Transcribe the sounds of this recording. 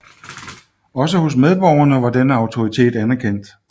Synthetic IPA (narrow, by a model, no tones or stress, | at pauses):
ɒ̽s̬əho̝s̬með̞ˠb̥ɒʊ̰ɐnəʋɑ̈d̥enəɑ̈ʊt͡sʰo̝ʁit͡sʰe̝̰ːd̥ænæɐkʰen̰d̥